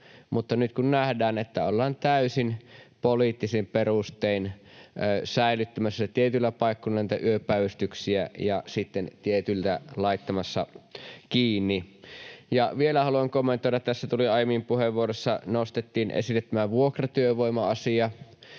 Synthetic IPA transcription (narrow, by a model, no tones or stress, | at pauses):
mut̪ːɑnyt̪kunnæhdæːnet̪ːæolːɑːnt̪æysinpolit̪ːisimperust̪einː | sæilyt̪ːæmæsːæt̪iet̪ylːæpɑˑikːonlːɑniˑt̪æʔyøpːˑæˑʋyst̪yksiæjɑsit̪ːent̪iet̪ylt̪ælɑˑit̪ːɑmɑsːɑkiːnːi | jɑʋielæhɑluɑŋkomːent̪ˑoiɾɑt̪t̪æsːæt̪uliɑˑjemimpuheʋʋuoɾoesːɑnost̪et̪ːiːnʔḛsilːet̪ːæmæʋuokrɑt̪yøʋoˑimɑɑsiɑ